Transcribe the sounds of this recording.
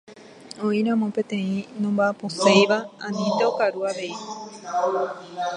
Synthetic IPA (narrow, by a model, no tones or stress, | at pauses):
õĩɾãmõpẽ̞t̪ẽ̞ĩnõmbaposejʋaãnĩt̪eokaɾuaʋe̞i